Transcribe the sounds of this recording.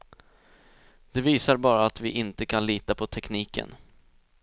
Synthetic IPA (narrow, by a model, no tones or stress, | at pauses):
d̪̥ɛviːsaɾbɑːɾaːt̪vɪʔɪnt̪əkʰanliːt̪apʰɔt̪ʰɛkniːkə̰n